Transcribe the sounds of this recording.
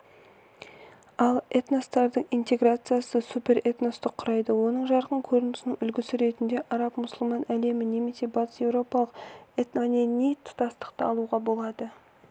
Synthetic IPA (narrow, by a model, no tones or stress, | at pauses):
ɑlˠet̪nost̪ɑɾd̪əɴint̪e̞ɡrat̪sɨjasəsupʲe̞ɾet̪no̞st̪ɪqʰːʊɾɑjd̪əwo̞nəɴʒɑɾqəɴkʲʰɵɾɪnɪsɪnɪŋʏlɡʲɪsɪɾe̞t̪ɪnd̪e̞ʔɑɾɑpmʊsəlˠmɑnæle̞mɪne̞me̞se̞bɑt̪ə̥sje̞wɾo̞pɑlˠəqe̞t̪nanenejt̪ʰʊ̥t̪ɑst̪ə̥qt̪əɑlˠuʁɑbo̞lˠɑd̪ə